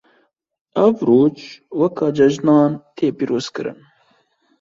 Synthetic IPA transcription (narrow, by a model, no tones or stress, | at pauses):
ɐvɾoːt͡ʃwɐkʰɑːd͡ʒɐʒnɑːnt̪ʰeːpiːɾoːz̥kɨɾɨ̰n